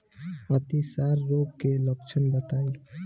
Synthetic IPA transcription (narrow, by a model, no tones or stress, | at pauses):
ət̪isaɾːoːɡkeləkt͡ʃʰənbət̪aːi